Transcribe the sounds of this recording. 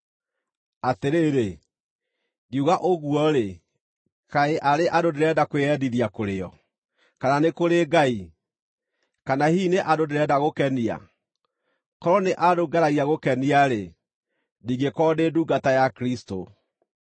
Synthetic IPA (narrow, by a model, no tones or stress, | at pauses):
ateɾeːɾe | ɣjuɣaʔoɣwɔɾe | kaeʔaɾeʔadodeɾɛdakweɛdiðiakoɾeɔ | kananekoɾeɡai | kanahiːneʔadodeɾɛdaɣokɛnia̰ | kɔɾɔneʔadoɡaɾaɣiaɣokɛniaɾe | niːɡekɔːdeːduːɡatajakɾisto̰